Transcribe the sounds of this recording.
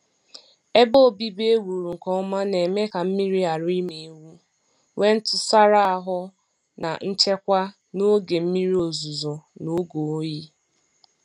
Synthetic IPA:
e˦bo˦˨bi˦be˦wu˨ɾu˨ŋ̩˨kɔ˦ma˦ne˨me˦ka˨m̩˦mi˦ɾi˦a˨ɾʊ˦i˦me˨˦wu˦ | we˦n̩˦tʊ˨sa˦ɾa˦a˨ɦʊ˦ | na̰˨n̩˦t͡ʃe˦kʷa˦ | no˦ɡe˨m̩˦mi˦ɾi˦o˨zu˨zo˨no˦ɡo˨˦ji˦

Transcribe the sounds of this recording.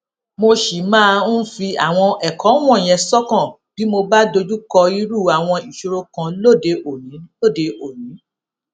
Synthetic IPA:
mo˧ʃi˨mãː˦˧ũ˦fi˧a˨w̃ɔ̃˧ɛ˨kɔ˨˦w̃ɔ̃˦˨j̃ɛ̃˧sɔ˦kã˦˨ | b̥i˨˦mo˧ba˦do˧d͡ʒu˦kɔ˧i˧˦ɾu˦˨a˨w̃ɔ̃˧i˨ʃo˧ɾo˧kã˧lo˦˨de˧o˨nĩ˨˦lo˦˨de˨˧ʔo˨nĩ˨˦

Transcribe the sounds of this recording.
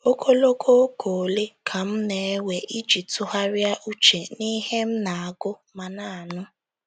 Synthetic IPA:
o˦kʰo˦lo˦kʰo˦kʰo˨le˦kʰa˨m̩˦ne˨˦we˨ʔi˦d͡ʒi˨tʊ˦ɦa˦ɾja˦ʔu˦t͡ʃe˨ni˦ɦe˦m̩˦na˨a˨ɡʊ˦ma˨na˨a˨nʊ˦

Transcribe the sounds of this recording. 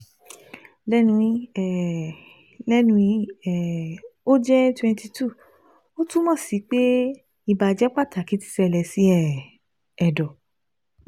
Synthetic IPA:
lɛ˦nũ˧ĩ˧˦ɛ˨ | lɛ˦nũ˧ĩ˧˦ɛ˦˨o˦d͡ʒɛ˦twɛ̃˧nti˧tʰu˦˨ | o˦tũ˦mɔ̃˦˨si˨˦k͡pe˦ | i˧ba˧˨d͡ʒɛ˦k͡pa˦˨ta˨ki˨˦ti̥˦˧sɛ˧˨lɛ˧si˨˦ɛ˦˨ | ɛ˨dɔ˨

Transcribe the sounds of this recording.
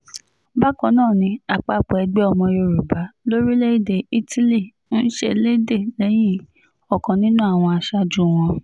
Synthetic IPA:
ba˦kɔ̃˧˦nãː˦˨nĩ˧a˨k͡pa˨˦˨k͡pɔ˨ɛ˧ɡ͡bɛ˦ɔ˧mɔ̃˧jo˧˨ɾu˨ba˨˦lo˦ɾi˦le˦i˦˨de˨i˦ti˦li˦˨ | n̩˦ʃe˦le˦de˦˨lɛ˨˦j̃ĩ˦ | ɔ˨kɔ̃˨nĩ˦nũ˦a˦˨w̃ɔ̃˧a˧ʃa˦d͡ʒũ˦˨w̃ɔ̃˧

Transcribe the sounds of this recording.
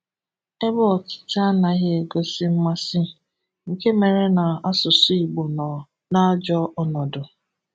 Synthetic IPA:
e˦bɔ˦ɔ˨tɪ̥˨ta˦na˨ɣɪ˦e˨ɡo˦sɪ˦m̩˦ma˦sɪ˦˨ | ŋ̩˨ke˦me˨ɾe˦na˨a˦sʊ˨sʊ˦i˨ɡ͡bo˨nɔ˨ | na˦d͡ʒɔ˦ʔɔ˦nɔ˨dʊ˨

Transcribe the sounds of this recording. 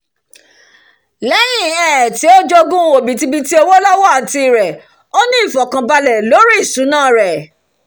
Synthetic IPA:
lɛ˨˦j̃ĩ˦˨ɛ˨ti˨˦o˦d͡ʒɔ˦˧ɡũ˦o˨bĩ˨ti˧bi˧ti˦o˧wo˦lɔ˦wɔ˦a˨ti˧˨ɾɛ˨ | o˦nĩ˦i˦˨fɔ˨kã˨ba˧lɛ˨lo˨˦ɾi˦i˦˨sũ˨˦nãː˦˨ɾɛ˨

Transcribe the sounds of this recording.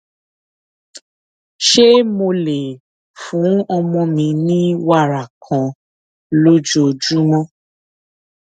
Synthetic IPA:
ʃe˦mo˧le˨ | fũ˨˦ɔ˧mɔ̃˧mĩ˧nĩ˦wa˦˨ɾa˨kʰã˨ | lo˦d͡ʒo˦˨d͡ʒu˦mɔ̃˦

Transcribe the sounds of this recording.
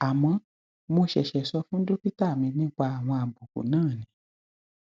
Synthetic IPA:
a˨mɔ̃˧ | mo˧ʃɛ˨ʃɛ˨sɔ˧fũ˦n̩˦do˦pi˦ta˦˨mĩ˧nĩ˦k͡pa˧a˨w̃ɔ̃˧a˨bu˨kṵ˨nãː˦˨nĩ˨˦

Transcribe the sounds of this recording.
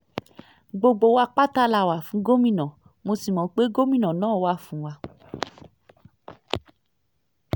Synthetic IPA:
ɡ͡bo˧ɡ͡bo˧˦wa˧k͡pa˦ta˦la˧˨wa˨fũ˨˦ɡo˦mĩ˦˨nã˨ | mo˧si˨mɔ̃˨˦k͡pe˦ɡo˦mĩ˦˨nã˨nãː˦˨wa˦fũ˨˦wa˧

